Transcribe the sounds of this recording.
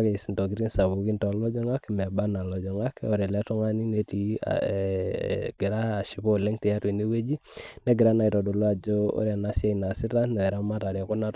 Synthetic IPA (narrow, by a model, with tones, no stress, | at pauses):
ke˨si˨ntɔ˨ɡi˦ɾi˦nsa˨βu˨ki˦ntɔ˨˦lɔ˦d͡ʒɔ˦ŋa˦kmɛ˨ba˦na˨lɔ˨d͡ʒɔ˨ŋa˦ko˨ɾe˨lɛ˦tɔ˦ŋa˦ni˦ne˦ti˦a̰ | ɡ̥ɪ˨ɾaː˦˨ʃi˨po˦˨le˦ŋtɛ˨ja˦twe˨ne˦we˦d͡ʒi˦ne˦ɡɪ˨ɾa˦na˨i˨tɔ˨do˨lo˦a˨d͡ʒo˦o̰˦ɾe˨na˨˦sa˦i˨na˨sɪ˦ta˦nɛ˨ɛ˨ɾa˦ma˦ta˨ɾa˨ko˦na˦